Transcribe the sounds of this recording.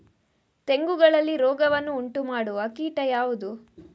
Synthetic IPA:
t̪e̞ŋɡuɡɐɭɐlːiɾɔːɡɐʋɐnːuːɳʈumaːɽuɐkiːʈɐjaːʋud̪u

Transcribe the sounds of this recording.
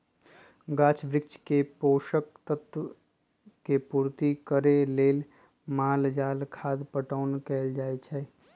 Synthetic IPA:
ɡaːt͡ʃʋɾɪkt͡ʃkepoːʃək̚t̪ət̪ | kepuːɾt̪ikəɾeleːl | maːld͡ʒaːlkʰaːd̪pəʈaːnkɛːld͡ʒaːet͡ʃʰɛː

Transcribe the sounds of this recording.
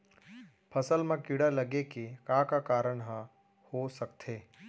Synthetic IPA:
pʰəsəlmãkɪɽaləɡekekaːkakaːɾəɳɦə | hosəkt̪ʰeː

